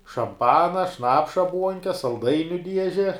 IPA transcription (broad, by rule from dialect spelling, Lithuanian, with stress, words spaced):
ʃɐmˈpɑːnɐ ˈʃnɑːpʃɐ ˈbuɔŋʲkʲɛ sɐlˠˈdɐɪnʲʊ ˈdʲiɛʒʲɛ